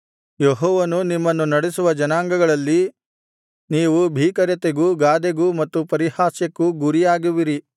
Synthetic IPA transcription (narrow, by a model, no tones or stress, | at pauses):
jeɦɔːʋɐnunimːɐnːunɐɽesuʋɐd͡ʒɐnaːŋɡɐɡɐɭɐlːi | niːʋubʱiːkɐɾjɐt̪eɡuɡaːd̪eɡumɐt̪ːupɐɾihaːsjekːuɡuɾijaːɡiʋiɾi